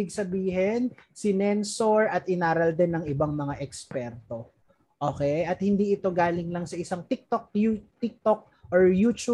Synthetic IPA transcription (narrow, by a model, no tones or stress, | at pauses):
ɪɡsɐbiːɦɛnsɪnɛnsoɹʔɐt̪ɪnaːɾɐld̪ɛnːɐŋɪbaŋmɐŋaʔɛkspɛɾt̪o̞ | ʔoːkɛjʔɐt̪̚hɪnd̪iːʔɪt̪o̞ɡaːlɪŋlɐŋsɐʔɪsaŋt̪ik̚t̪ok̚jut̪ɪk̚t̪o̞k̚ | ʔoɹjut͡ʃu